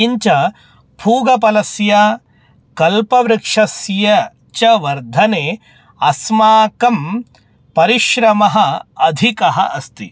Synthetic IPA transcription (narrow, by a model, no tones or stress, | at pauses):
iɲt͡ʃɐ | pʰuːɡɐpɐlɐsjɐ | kɐlpɐʋɾɪkʂɐsjɐ | t͡ʃɐʋɐɾd̪ʱɐneː | ɐsmaːkɐm | pɐɾiʃɾɐmɐɦɐ̆ɐd̪ʱikɐɦɐ̰ʔɐst̪i